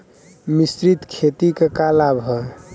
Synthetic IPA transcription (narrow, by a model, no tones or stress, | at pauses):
misɾit̪kʰet̪ikekalabʱɔ